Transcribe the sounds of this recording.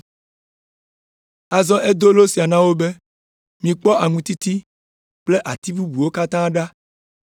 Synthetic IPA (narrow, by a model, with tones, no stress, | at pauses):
a˨zɔ̃˦ʔe˦d̪o˦lo˦si˨a˨nã˦wo˦be˦ | mĩ˨k͡pɔ˦a˨ŋũ˨t̪i˦t̪i˦ | k͡ple˦ʔa˨t̪i˦bu˦bu˨wo˦ka˦t̪ã˦ɖa˦